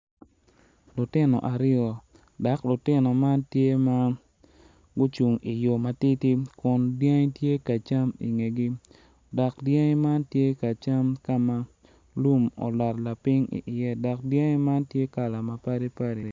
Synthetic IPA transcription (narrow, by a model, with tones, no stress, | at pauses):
lʊ˨tɪ˦nɔ̰˨ʔa˨ɾɪɔ˨ | da˨˦klʊ˨tɪ˦nɔ˨ma˦ntje˦ma˦ | ɡʊ˦t͡ʃu˨ŋi˨jo˨ma˨ti˦ti˦kʊ˨ndja˦ŋ˦tje˦ka˨t͡ʃa˦mḭ˨ŋe˨ɡi˦ | dɔ˨kdja˦ŋ˦ma˦ntje˦ka˨t͡ʃa˦mka˦ma˦ | lu˦mɔ̰˨lɔ˨tla˨pɪ˦ŋḭ˨ʔɪ˨jɛ˦dɔ˨k̚dja˦ŋ˦ma˦ntje˦ka˨la˨ma˨pa˦ɾi˦pa˦ɾi˨